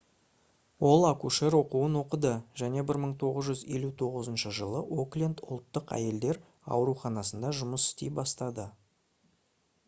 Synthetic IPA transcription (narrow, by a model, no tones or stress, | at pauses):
wo̞lˠakuʃe̞ɾwo̞quənwo̞qəd̪əʒ̥æne̞bɪɾməɴt̪ʰo̞ʁəzʒʏze̞lut̪ʰo̞ʁəzənʃəʒəlˠəʔoklʲend̪ʊ̰lˠt̪ːəqæ̰je̞ld̪e̞ɾ | ɑ̰wɾuχɑnɑsənd̪ɑʒʊməsɪ̥st̪ejbɑst̪ɑd̪ə